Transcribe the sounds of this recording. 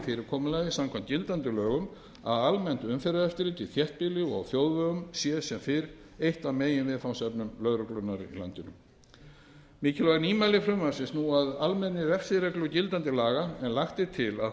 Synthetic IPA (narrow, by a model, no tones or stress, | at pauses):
fɪːɾɪɾkʰɔːmʏlɛɣðɪsamkʰvamt̪cɪlt̪ant̪ʏlœːɣʏm | a̰ðalmɛnt̪ʏmfɛɾaðɛft̪ɪɾɪt̪ʰɪlθjɛht̪̚pɪlɪɔ̰ɣθjoːwðvœːɣʏmsjɛsɛmfɪɾejht̪awmeːjɪnvɪðθawsɛpnʏmlœðɾʏklʏnːaɾḭla̰nt̪ɪnʏ̰m | mɪːcɪlvaɣniːmalɪfɾʏmaɾsɪnsnuaðalmɛnːɪɾɛfsɪɾɛklʏcɪlt̪ant̪ɪlaːɣaɛnlaxt̪ɪt̪ʰɪla̰